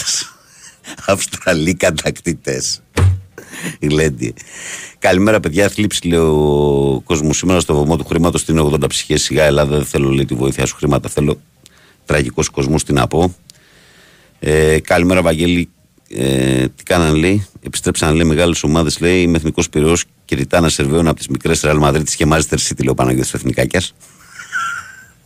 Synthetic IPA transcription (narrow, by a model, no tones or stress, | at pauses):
ɐfst̪ɾɐlikɐt̪ɐkt̪it̪es | ɣlend̪iekɐlime̞ɾɐpe̞ðʝɐθlipsileoko̞zmosime̞ɾɐst̪o̞vomot̪uxɾimɐt̪o̞st̪ineoɣðond̪ɐpsi̥çessiɣɐe̞lɐðeθe̞lo̞leit̪ivo̞iθiɐsu̥xɾimɐt̪ɐθe̞lo̞ | t̪ɾɐʝiko̞sko̞zmost̪inɐ̰po̞ | ekɐlime̞ɾɐpɐɲɟe̞li | ḛt̪i̥kɐnɐnleiepi̥st̪ɾe̞psɐnle̞ime̞ɣɐleso̞mɐðe̞zle̞imeθniko̞spiɾo̞s | ceðit̪ɐnɐse̞ɾveunɐpot̪izmikɾe̞sɾeɐlmɐðɾit̪i̥scemɐzest̪eɾsit̪ileopɐnɐʝiosoeθnikɐcɐs